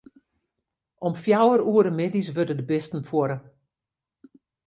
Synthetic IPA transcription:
ɔmfjawəɾuəɾəmɪdis̬ʋødədəbɪstn̩fwoɾə

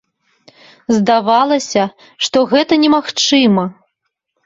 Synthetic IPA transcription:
zd̪avalˠɐsʲɐ | ʂt̪ɔɣɛt̪ɐnʲɛmaxt͡ʂɨmɐ

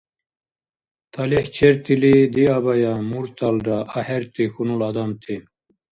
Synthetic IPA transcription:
t̪ʰɐliht͡ɕʰeɾt̪ʰilid̪iabajamuɾt̪ʰalɾaʔɐhɛɾt̪ixunulad̪amt̪ʰi

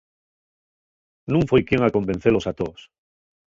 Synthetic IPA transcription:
nũŋfojkjeŋako̞mbe̞n̟θelosat̪os

